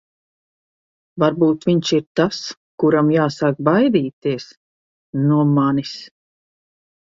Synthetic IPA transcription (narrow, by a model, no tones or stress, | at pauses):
vaɾbuːt̪viɲʃiɾt̪as | kuɾamjaːsakbajd̪iːt̪iɛs | nuɔmanis